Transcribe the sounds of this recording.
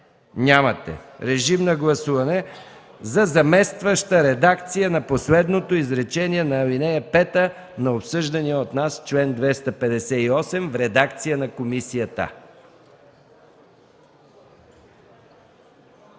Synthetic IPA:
nʲamɐt̪ɛ̰ɾɛʒimnɐɡlˠɐsuvɐnɛ | zɐzɐmɛst̪vəʃt̪əɾɛd̪akt̪sijənɐposlɛd̪not̪oizɾɛt͡ʃɛniɛnɐːlinɛjɐpɛt̪ə | nɐopsɤʒd̪ɐniɛot̪nast͡ʃlɛnd̪vɛst̪ɐpɛd̪ɛsɛiɔsɛmvɾɛd̪akt̪sijənɐkomisijət̪ə̰

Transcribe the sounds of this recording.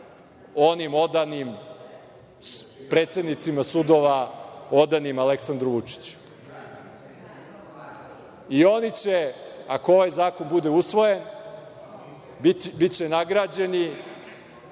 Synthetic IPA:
o̞nimo̞d̪anim | pɾe̞ːt̪se̞d̪nit̪simasud̪o̞ʋao̞d̪animaleksand̪ɾoʋut͡ʂi̥t͡ɕu̥ | io̞nit͡ɕeakoo̞ʋajzaːko̞nbud̪eusʋo̞jen | bit͡ɕenaɡɾaːd͡ʑe̞ni

